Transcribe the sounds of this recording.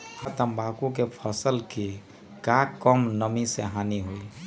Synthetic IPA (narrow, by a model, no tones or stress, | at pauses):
ət̪əmbakũkepʰəsəlki | kakəmnəmiseɦaniɦoi